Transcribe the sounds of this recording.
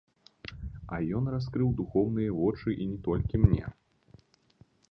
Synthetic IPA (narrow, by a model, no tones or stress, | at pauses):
ɐjɔnraskɾɨwd̪uxɔwn̪ɨjɐvɔt͡ʂɨʔinʲɛt̪ɔlʲkʲimnʲɛ̰